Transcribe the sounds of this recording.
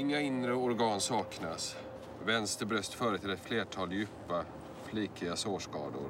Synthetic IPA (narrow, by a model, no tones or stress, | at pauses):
ɪŋːaɪnɾəʊɾɡɑːnsɑːknas | vɛnst̪əɾbɾœst̪fœːɾət̪ʰɪlɛt̪fleːʈʰɑːljʉ̟ːpa | fliːkɾɪɡasoːʂkɑ̰ːd̪ʊ̰ɾ